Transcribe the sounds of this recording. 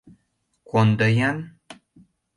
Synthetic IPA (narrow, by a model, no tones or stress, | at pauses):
kond̪ajan